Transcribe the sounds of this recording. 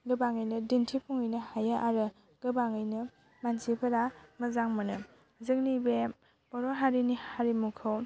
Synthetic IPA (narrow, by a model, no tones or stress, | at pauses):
ɡɯbaŋɯjnɯdintʰipʰuŋɯjnɯhajaʔaɾɯ | ɡ̥ɯbaŋɯjnɯ | mansipʰɐɾamɐzaŋmɯnɯ | zɯŋnibe | b̥ɔɾɔɦaɾinihaɾimukʰɯw